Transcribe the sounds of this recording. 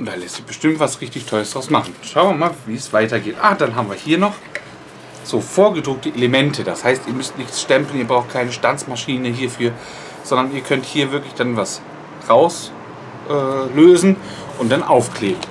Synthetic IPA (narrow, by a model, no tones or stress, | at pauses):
ʔʊnd̥aːlɛstɪçb̥əʃtɪmtv̥asʁɪçtɪçtʰɔləsd̥ʁaʊsmaχn̩ʃaʊnviɐmaːlviːsv̥aɪtɐɡeːtʔaːd̥anɦaːbm̩viːɐhiːɐnɔχ | z̥oːfoːɐɡədʁʊk̚təʔeləmɛntʰədashaɪstiːɐmʏstnɪçtsʃtɛmpl̩niːɐbʁaʊxt̚kʰaɪnəʃtant͡smaʃiːnəɦiːɐfyːɐ | z̥ɔndɐniːɐkʰœnthiːɐvɪɐklɪçd̥anvas | ʁaʊs | ʔɛːløːzn̩ | ʔʊnt̚d̥anʔaʊfkʰleːbn̩